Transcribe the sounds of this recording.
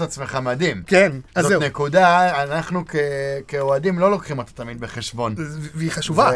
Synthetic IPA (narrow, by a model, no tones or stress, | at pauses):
at͡sme̞χamadimkenzenekudaːnaχnukekeoadimlo̞lo̞kχimot̪ḁt̪amid̪̚beχeʃbo̞nviχaʃuva